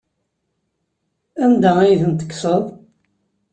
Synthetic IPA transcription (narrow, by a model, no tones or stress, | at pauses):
ænd̪ææjθənt̪ə̥kːsəðˤ